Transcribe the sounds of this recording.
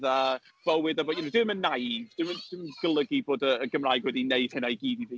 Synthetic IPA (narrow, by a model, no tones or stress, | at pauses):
ða | b̥əwɨdaboːdjɛnodɪmənːajvd̥ɪmənd̥ɪməɡ̥əlˠəɡiboːdəːɡəmraːjɡwɛdineɨd̥hɪnajɡiːdiviː